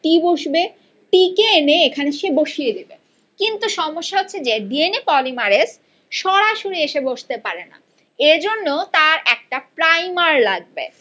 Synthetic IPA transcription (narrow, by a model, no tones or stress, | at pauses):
ʈiboʃbe | ʈikeeneekʰaneʃeboʃied̪ebe | kint̪uʃɔmoʃːaɦotːɕʰed͡ʑeɖienepɔlimaɾes | ʃɔɽaʃoɾieʃeboʃt̪epaɾena̰ | ed͡ʑonːot̪aɾɛk̚ʈapɾajmaɾlaɡ̚bḛ